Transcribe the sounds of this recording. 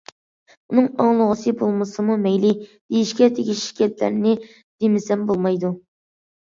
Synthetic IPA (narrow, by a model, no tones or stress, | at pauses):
unɨŋɑŋlˠəʁəsɨbolˠmɨsɨmumɛjlɪd̪̥ejiʃkʲɛt̪ʰeɡʲiʃʃi̥kʲʰɛt̪ʰlæ̰ɾnɪ | d̪̥emɪsɛnbolˠmɑjd̪u